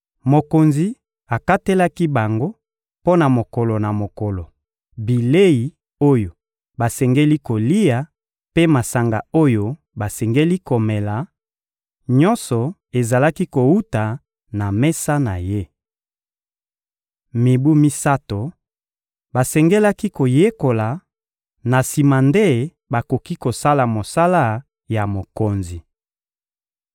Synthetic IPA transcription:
mo˨ko˨nzi˨˦ | a˨ka˦te˦la˦ki˦ba˨ŋɡo˦ | po˦na˨mo˨kɔ˨lo˨na˨mo˨kɔ˨lɔ˨ | bi˨le˦i˨ | o˦jo˨ | ba˨sɛ˨ŋɡe˦li˦ko˨li˦ja˨ | pe˦ma˨sa˨ŋɡa˨o˦jo˦ | ba˨sɛ˨ŋɡe˦li˦ko˨mɛ˨la˨ | ɲɔ˦nsɔ˨ | e˨za˨la˦ki˦ko˨u˦ta˨ | na˨mɛ˦sa˦na˨je˦ | mi˨bu˦mi˦sa˦to˨ | ba˨sɛ˨ŋɡe˦la˦ki˦ko˨je˦ko˨la˨ | na˨si˨ma˨nde˦ | ba˨ko˨ki˦ko˨sa˦la˨mo˨sa˦la˦ | ja˨mo˨ko˨nzi˨

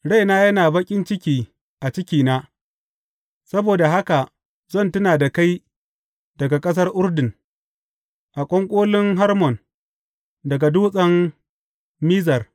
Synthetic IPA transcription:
ɽa˦jnaː˦jɐ˦naː˨bɐ˦kʲʼɪ˦nt͡ʃɪ˦kʲiː˦ | ʔa˨t͡ʃɪ˦kʲiː˨naː˦ | sɐ˦boː˨da˨ɦa˦ka˨ | zɐ˦˨ntʊ˦naː˨da˨ka˦j | dɐ˨ɡa˨kʼɐ˦s̬ɐ˦rʔʊ˦rdɪ˨n | ʔa˨kʷʼɔ˦ŋkʷʼoː˦lɪ˦ŋɦa˦rmɔ˨n | dɐ˨ɡa˨duː˦sʼɐ˦m | miː˦zɐ˨r

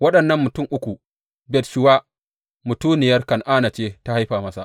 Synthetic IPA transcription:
wɐ˦ɗɐ˨nːɐ˦mːʊ˨tʊ˦mʔʊ˦kʷu˨ | bɛ˨tʃɪ˦wa˦ | mʊ˨tuː˦nɪ˨jɐ˦rkɐ˨nʔaː˦na˨t͡ʃeː˦ta˦ha˦jɸaː˨mɐ˦sa˨

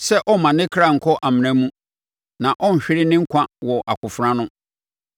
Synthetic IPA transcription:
sɛ˦ʔɔ˦mã˨nɪ̃˦kʰɾa˦˨ŋ̩˨kʰɔ˦ʔa˨mɪ̃˨næ̃˦mũ˦ | nã˨ʔɔ̃˦n̩˨ɕᶣɪ˦ɾɪ˦nɪ̃˦ŋ̩˦kʷʰã˦wɔ˨ʔa˨kʰʊ˨fɾã˦nʊ̃˦

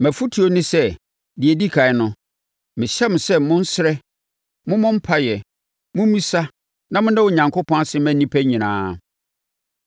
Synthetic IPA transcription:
mæ̃˨fu˦tʰi˨o˦nɪ̃˦sɛ˦ | dɪ˨e˨di˦kʰa˨ɪ˦nʊ̃˨ | mɪ̃˨ɕɛ˦m˨sɛ˦mʊ̃˦n̩˦sɪ˦ɾɛ˦ | mʊ̃˦mʊ̃˦m̩˦pʰa˦jɛ˨ | mʊ̃˦m˦mĩ˦sa˦ | nã˦˨mʊ̃˦nã˦wo˨ɲã˨ŋkʰʊ˦pʰɔ̃˦na˨sɪ˦mæ̃˨nĩ˦pʰæ˦ɲĩ˨nã̰ː˨˦

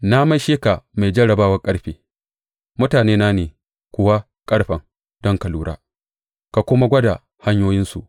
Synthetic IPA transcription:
na˦ma˦jʃeː˦ka˨ma˨jd͡ʒɐ˦ɽɐ˨baː˦wɐ˦kʼɐ˦ɽɸeː˨ | mʊ˦taː˨neː˦na˦neː˨ | kʷʊ˦wa˦ | kʼɐ˦ɽɸɐ˨ŋ | d̥ɔ˦ŋkɐ˨luː˦ɾʔa̰ː˦ | ka˨kʷʊ˦ma˦ɡʷɐ˦da˨ | ha˦ɲjoː˦jɪ˦nsṵ˨ʔ

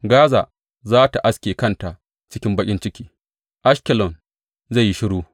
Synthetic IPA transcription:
ɡaː˦za̰˨ | zaː˦ta˨ʔa˦skʲeː˨kɐ˦nta˨ʔ | t͡ʃɪ˦kʲɪ˦mbɐ˦kʲʼɪ˦nt͡ʃɪ˦kʲiː˦ | ʔa˦ʃkʲɛ˨lɔ˨n | za˦˨ji˦ʃɪ˦ɽuː˦

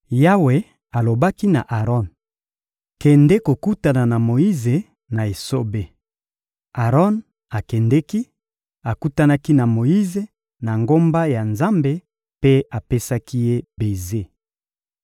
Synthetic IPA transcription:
ja˦we˨ | a˨lo˨ba˦ki˦na˨ʔa˨ʁɔ˦˨n | kɛ˨nde˦ko˨ku˦ta˨na˨na˨mo˨i˦ze˨ | na˨e˨so˦be˨ | a˨ʁɔ˦n | a˨kɛ˨ndɛ˦ki˦ | a˨ku˦ta˦na˦ki˦na˨mo˨ji˦ze˨ | na˨ŋɡo˦mba˦ja˨nza˦mbe˦ | pe˦a˨pe˦sa˦ki˦je˦be˨ze˦

